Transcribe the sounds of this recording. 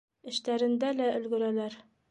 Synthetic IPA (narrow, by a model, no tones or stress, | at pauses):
ɘ̆ʃt̪æɾɘ̆nd̪ælæʔɵ̆lɡɵ̆ɾælæɾ